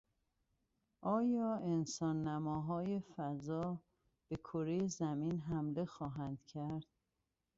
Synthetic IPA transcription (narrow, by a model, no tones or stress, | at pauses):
ʔɒːjɒːensɒːnːæmɒːɦɒːjefæzɒː | b̥e̞kʰoɾejezæmiːnɦæmle̞xɒːɦænd̪̥cʰæɾd̪̥̚